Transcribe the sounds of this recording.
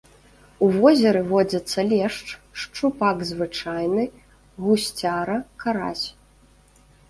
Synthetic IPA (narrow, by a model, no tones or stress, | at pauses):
uvɔzʲɛɾɨvɔd͡zʲɐt̪sːɐlʲɛʂt͡ʂʂt͡ʂupaɡzvɨt͡ʂajnɨ | ɣusʲt͡sʲaɾɐkaɾa̰sʲ